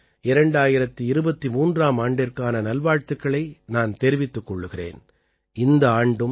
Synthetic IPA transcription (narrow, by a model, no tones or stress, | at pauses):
ɪɾɐɳɖaːjɪɾɐt̪ːɯɪɾɯbɐt̪ːimuːndraːmaːɳɖɪrkaːnɐnɐlʋaːɻt̪ɯkːɐɭɐɪnaːnt̪eːɾɪʋɪt̪ːɯkːɔɭːɯɣɪrḛːn | ɪnd̪ɐaːɳɖɯm